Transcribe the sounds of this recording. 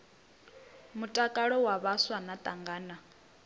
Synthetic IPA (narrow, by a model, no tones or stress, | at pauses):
mutʼakʼaɺɔwaβaswanat̪ʼaŋɡaːna